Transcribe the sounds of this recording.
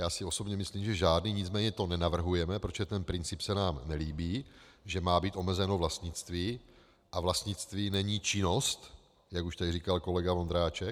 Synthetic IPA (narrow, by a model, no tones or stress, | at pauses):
jaːsɪo̞so̞bɲɛmɪsliːmʒɛʒaːdniːɲɪt͡smɛːɲɛt̪o̞nɛnavr̩ɦujɛmɛpɾot͡ʃɛt̪ɛnpɾɪnt͡sɪpsɛnaːmnɛliːbiːʒɛmaːbiːt̪ʔo̞mɛzɛno̞vlast̪ɲɪt͡st̪viː | ʔavlast̪ɲɪt͡st̪viːnɛɲiːt͡ʃɪno̞st̪ | jakuʃt̪adriːkalko̞lɛɡavond̪ɾaːt͡ʃɛ